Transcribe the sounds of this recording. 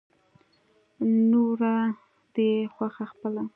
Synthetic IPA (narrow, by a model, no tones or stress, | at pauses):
noɾa | d̪exwaxaxpəla